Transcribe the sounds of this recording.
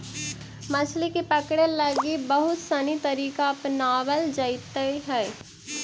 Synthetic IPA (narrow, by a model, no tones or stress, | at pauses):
mɐt͡ʃʰlekepəkɽelɐɡibɐɦʊt̪sɐnit̪ɐɾiːkaɐpnaːwəld͡ʒəɪt̪eɦɛː